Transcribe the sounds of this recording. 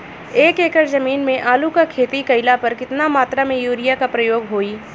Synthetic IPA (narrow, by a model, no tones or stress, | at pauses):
eːkeːkəɾzɐmiːnmẽʔaːlukakʰeːt̪ikɐɪlapɐɾkɪt̪namaːt̪ɾamẽjuːɾijakapɾɐjoːɡɦoːiː